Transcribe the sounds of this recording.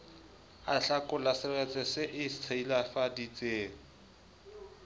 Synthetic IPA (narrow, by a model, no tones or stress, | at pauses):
aɬakʊlasɪrɛt͡sʼɛsɪʔɪst͡sʰailafadit͡seːŋ̩